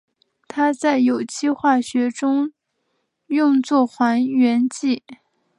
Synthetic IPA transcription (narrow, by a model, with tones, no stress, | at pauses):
t̪ʰa˥t͡sa˥˩ɪjo˨˩ʊt͡ɕʰi˥xwa˥˩ɕɥɛ˧˥ʈ͡ʂʊ˥ŋ | jʊ˥˧ŋt͡swɔ˥˩xwa˧˥nɥɛ˧˥nt͡ɕi˥˩